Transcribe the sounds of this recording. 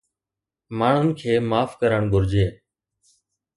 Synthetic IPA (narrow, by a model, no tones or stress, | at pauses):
maːɳ̤ʊnkʰeːmaːfkəɾəɳɡʱʊɾd͡ʒeː